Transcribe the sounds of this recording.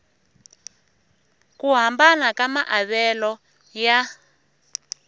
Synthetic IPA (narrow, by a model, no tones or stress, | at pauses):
kuɦambanakamaʔaβɛlɔ | ja